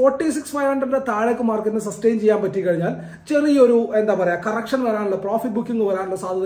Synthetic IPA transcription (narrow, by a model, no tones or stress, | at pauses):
foːrʈːisiksfɐjʋɐɳɖend̪et̪aːɭekːɨmaːrkunːɐsɐsʈejnt͡ɕejːaːmpɐtːikːɐɻiɲːaːl | t͡ɕe̞rio̞ɾue̞nd̪aːpɐrɐjakɐrɐkʂɐnʋɐɾaːnuɭːɐproːfiʈ̚bukːiŋːɡɨʋɐɾaːnuɭːɐsaːd̪ʱɐðɐ